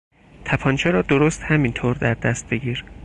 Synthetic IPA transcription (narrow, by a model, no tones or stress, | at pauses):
t̪ʰæpʰɒːnt͡ʃʰeɾɒːd̪oɾost̪hæmint̪ʰoːɾd̪æɾd̪æst̪̚be̞ɡʲiːɾ